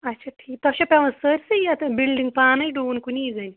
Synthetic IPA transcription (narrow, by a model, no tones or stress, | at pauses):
ɐtːɕʰaʈʰiːk̚t̪ɐɕɐpʲeʋɐ̃nsəɾsɐjat̪ɐbilɖiŋɡ̚paːnɐjɖuːnkuniːzɐni